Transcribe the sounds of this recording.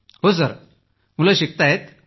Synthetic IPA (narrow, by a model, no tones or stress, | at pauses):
ɦos̬əɾ | mulaɕik̚t̪ajet̪